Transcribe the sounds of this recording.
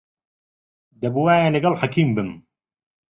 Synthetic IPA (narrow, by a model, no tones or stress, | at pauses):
d̪ɐbuwaːjalɐɡɐlħakʰiːmbɨm